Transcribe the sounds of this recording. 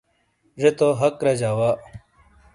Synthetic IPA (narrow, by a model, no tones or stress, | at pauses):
ʐet̪oɦɐkɾɐd͡ʑaːwaː